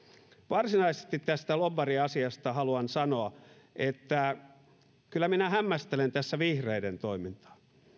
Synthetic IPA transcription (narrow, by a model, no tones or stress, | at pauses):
ʋɑrsinɑisest̪it̪tæst̪ælobɑriɑsiɑst̪ɑhɑluɑnsɑnoɑ | ʔet̪ːæ | kylːˑæminæhæmːæst̪elent̪æsːæʋihreident̪oimint̪ɑ̥